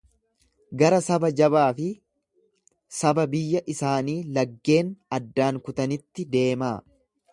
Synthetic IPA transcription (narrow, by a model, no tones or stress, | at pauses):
ɡɐɾɐsɐbɐd͡ʒɐbaːfɪ | sɐbɐbɪjːɐʔɪsaːniːlɐɡːe̞ːnɐd̪ːaːŋkʊt̪ɐnɪt̪ːɪd̪e̞ːmaː